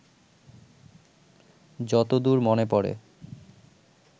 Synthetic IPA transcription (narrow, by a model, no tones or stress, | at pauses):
d͡ʑɔt̪od̪uɾmonepɔɽḛ